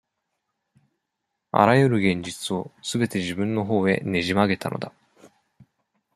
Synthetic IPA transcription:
a̰ɾajɯ̟ɾɯ̟ɡẽ̞ɲ̟d͡ʑit͡sɨo̞sɨbe̞t̪e̞ʑibɯ̟̃nːo̞ɦo̞ːe̞̰ne̞ʑimaɡe̞t̪anʔo̞̰d̪a

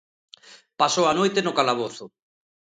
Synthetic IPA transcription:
pasoanojt̪enʊkalaβoθʊ

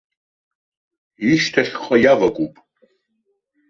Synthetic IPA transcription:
iʃtʰɐχʲχʼɐjavɐkʷʼupʼ

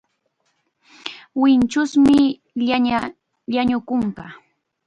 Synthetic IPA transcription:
wɪnt͡ʃʊsmɪ | ʎaa | ʎaɲʊkʊŋkɑ

